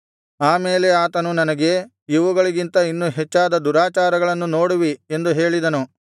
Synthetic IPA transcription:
aːmeːle̞aːt̪ɐnunɐnɐɡe̞ | iʋuɡɐɭiɡint̪ɐinːuɦet͡ʃːaːd̪ɐd̪uɾaːt͡ʃaːɾɐɡɐɭɐnːunoːɽuʋiend̪uɦe̞ːɭid̪ɐnu

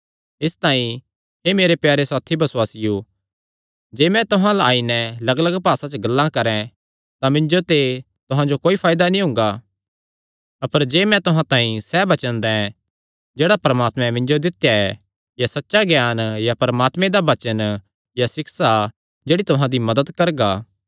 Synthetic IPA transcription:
ɪst̪aːĩ | ɦemeːɾepjaːɾesaːt̪ʰibɐswaːsɪju | d͡ʒeːmɛ̃t̪ʊɦãlaaːinɛlɐɡləɡpaːsãt͡ʃəɡɐlːãkɐɾɛ̃ | t̪amɪ̃ɲd͡ʒot̪e | t̪ʊɦãd͡ʒokoːipʰaːjd̪anĩɦʊ̃ŋɡa | ɐpəɾd͡ʒeːmɛ̃t̪ʊɦãt̪ãːĩsɛːbɐt͡ʃə̃nd̪ɛɛ | d͡ʒeːɽapɐɾəmaːt̪mɛ̃mɪ̃ɲd͡ʒod̪ɪt̪jaɛ | jasɐtːʃaɡjaːnjapɐɾmaːt̪mẽd̪aʋɐt͡ʃən | jasɪksa | d͡ʒeːɽit̪ʊɦãd̪imɐd̪əd̪kɐɾɡaː

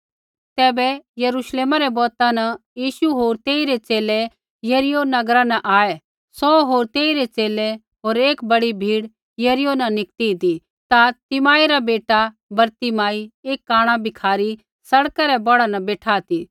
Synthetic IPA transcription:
t̪ɛːbɛjɐɾuːʃleːmaɾɛbɔːt̪ãnɐjiːʃuɦoːɾt̪eːiɾet͡seːle | jɐɾɪjonɐɡɾãnɐʔaːɛ | sɔːɦoːɾt̪eːiɾet͡seːle | ɦoːɾeːkbɐɽibʱiːɽ | jɐɾɪjonɐnɪkt̪id̪i | t̪at̪ɪmaːiɾabeːʈa | bɐɾt̪imaːieːkːaːɽ̃abɪkʰaːɾi | sɐɽkaɾɛbɐɽanɐ̃beːʈʰaːt̪i

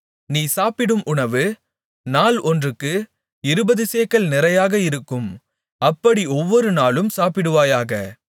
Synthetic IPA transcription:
niːsaːpɪɽɯmʔʊɳɐʋɯ | naːlɔndrɯkːɯ | ɪɾɯbɐðɯseːkɐlnɪɾɐjaːɣɐɪɾɯkːɯm | ɐpːɐɽiɔʋːɔɾɯnaːlɯmsaːpɪɽɯʋaːjaːɣɐ̰

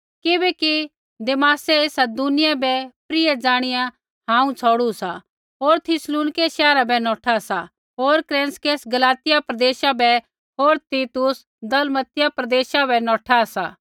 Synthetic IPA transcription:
kɪbɛki | d̪eːmaːsɛeːsad̪ʊnɪjabɛpɾɪɛd͡zaːɽ̃ɪja | ɦãːũt͡sʰɔːɽusa | ɦoːɾt̪ʰɪsluːnkeʃɛːɾabɛnɔːʈʰasa | ɦoːɾkɾɛ̃ːnskeːsɡɐlaːt̪ɪjapɾɐd̪eːʃabɛ | ɦoːɾt̪iːt̪ʊs | d̪ɐlmət̪ɪjapɾɐd̪eːʃabʱɛnɔːʈʰasa̰ː

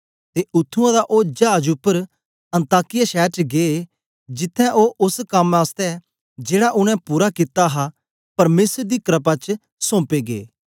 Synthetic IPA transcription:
t̪eʔʊt̪ʰːʊ̃ãd̪aʔoːd͡ʒaːd͡ʒʊpːəɾ | ɐ̃nt̪aːkɪjaʃɛːɾt͡ʃɡeː | d͡ʒɪt̪ʰːɛ̃ʔoːʔʊskɐmaːst̪ɛ | d͡ʒeːɽaʔʊñɛ̃puːɾakɪt̪aɦa | pɐɾmeːsəɾd̪ikɾəp̬at͡ʃ | sõːpeɡḛː

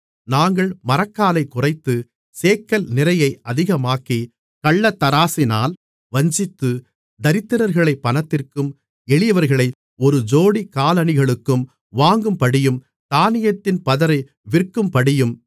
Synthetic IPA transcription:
naːŋɡɐɭmɐɾɐkːaːlɐɪkːʊrɐɪt̪ːɯ | seːkːɐlnɪɾɐjɐɪɐðɪɣɐmaːki | kɐɭːɐt̪ːɐɾaːsɪna̰ːl | ʋɐɲd͡ʒɪt̪ːɯ | d̪ɐɾɪt̪ːɯɾɐɾɣɐɭɐɪpːɐnɐt̪ːɪrkɯm | ɛɭɪjɐʋɐɾɣɐɭɐɪ | ɔɾɯd͡ʒoːɽikaːlɐnɪɣɐɭɯkːɯm | ʋaːŋɡɯmpɐɽɪjɯm | t̪aːnɪjɐt̪ːɪnpɐðɐɾɐɪ | ʋɪrkːɯmpɐɽɪjɯm

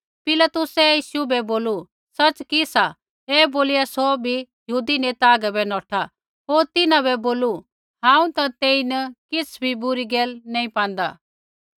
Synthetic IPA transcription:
pɪlat̪ʊsɛjiːʃubɛboːlu | sɐt͡ʃkisa | ɛːboːlɪjasobʱijɦuːd̪inet̪aːɡɛbɛnɔːʈʰa | ɦoːɾt̪ɪnãbɛboːlu | ɦãːũt̪ãt̪eːinɐkɪsʰbʱibʊɾiɡeːlnɐ̃ːĩpãːnd̪a̰

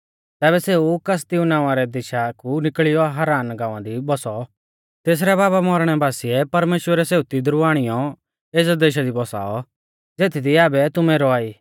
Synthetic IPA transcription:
t̪ɛːbɛseːukɐs̬t̪iunãːʊãɾɛd̪ɪʃakunɪkɭɪjɔɦaɾaːnɡãːʋãd̪ibɔsɔ | t̪eːs̬ɾɛbaːbamɔɾɽ̃ɛbaːsiɛpɐɾmeːʃwəɾɛseːut̪id̪ɾuaːɽ̃ɪjɔ | eːsd̪eːʃ̬ad̪ibɔsa̰ːɔ | d͡zeːt̪ʰid̪iaːbɛt̪ʊmɛ̃ɾɔaːiː

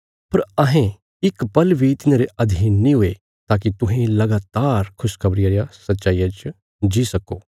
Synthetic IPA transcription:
pɐɾɐɦẽ | ɪkpɐlbʱit̪ɪnaːɾeʔɐd̪ʱinĩɦʊe | t̪aːk̬it̪ʊɦẽlɐɡaːt̪aːɾkʰʊskʰɐbɾɪjaɾjasɐtːʃaːijat͡ʃ | d͡ʒisɐkoː

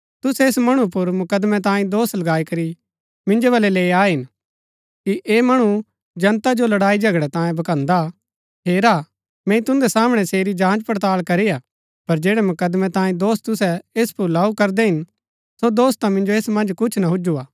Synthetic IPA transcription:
t̪ʊsɛːsmɐɽ̃up̬ʊɾmʊkəd̪mɛ̃t̪̬ãːĩd̪oːslɐɡaːikɐɾi | mɪ̃nd͡ʒobɐlɛleːaːɦɪn | kiʔeːmɐɽ̃u | d͡ʒɐ̃nt̪ad͡ʒolɐɽaːid͡ʒɐɡɽɛt̪ãːjẽbɐkãːnd̪a | ɦeːɾa | mɛ̃ːĩt̪ʊ̃nd̪ɛsaːmɽ̃ɛseːɾid͡ʒãːnd͡ʒpɐɾt̪aːlkɐɾijaː | pɐɾd͡ʒeːɽɛmʊkəd̪mɛ̃t̪ãːĩd̪oːst̪ʊsɛeːspʊɾlaːukɐɾd̪ɛɦɪn | sod̪oːst̪ãmɪ̃nd͡ʒoeːsmɐ̃nd͡ʒkʊt͡ʃʰnaɦʊd͡ʒuaː

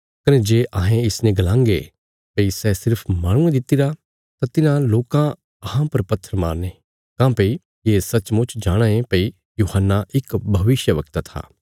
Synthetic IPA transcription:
kɐned͡ʒeːʔaːɦẽɪsnẽɡɐlãːŋɡḛ | pɐisɛsɪɾpʰmaːɽ̃ũẽd̪ɪt̪ːiɾa | t̪at̪ɪnãloːkã | ɐhãpɐɾpɐt̪ʰːəɾma̰ːɾne | kãːpɐi | jeːsɐt͡ʃmʊt͡ʃd͡ʒaːɽ̃ãẽpɐi | juːhənːaʔɪkbʱɐʋɪʃjəʋɐk̚t̪at̪ʰa̰ː

